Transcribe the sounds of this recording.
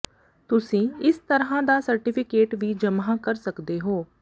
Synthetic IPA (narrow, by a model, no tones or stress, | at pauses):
t̪ʊsĩːɪst̪əɾɦãːd̪aːsəɾʈɪːpʰɪkeːʈʋiːd͡ʒəmãːkəɾsəkd̪eːɦoː